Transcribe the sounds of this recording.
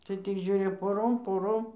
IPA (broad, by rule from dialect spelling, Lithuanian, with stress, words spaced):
tɐɪ tʲɪk ˈʒʲuːrʲɪ poːˈroːm poːˈroːm